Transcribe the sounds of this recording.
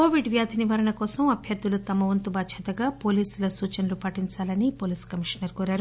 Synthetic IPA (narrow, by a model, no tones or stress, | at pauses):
koːʋiɖʋjaːd̪ʱiniʋɐɾɐɳɐkɔːsɐmɐbʱjɐɾd̪ʱulut̪ɐmɐʋɐnt̪ubɐʃʰɐt̪ɐɡaːpo̞ːliːsulɐsuːt͡ʃɐnɐlupɐʈiɲt͡ʃaːlɐnipoːliːskɐmiʂɐnɐɾkɔːɾaːɾu